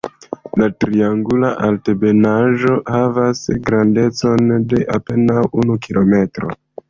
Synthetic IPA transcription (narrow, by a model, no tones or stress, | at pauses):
latɾiaŋɡulaʔalte̞be̞naʒo̞havasɡɾande̞t͡so̞nde̞ʔape̞nawunukilo̞me̞tɾo̞̰